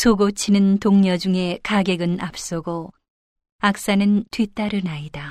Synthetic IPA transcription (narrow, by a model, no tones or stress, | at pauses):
sʰoɡot͡ɕʰinɯntoŋɲʌd͡ʑuŋe̞kaɡeɡɯnap̚s͈ʌɡo | ak̚s͈anɯntwit͈aɾɯnaida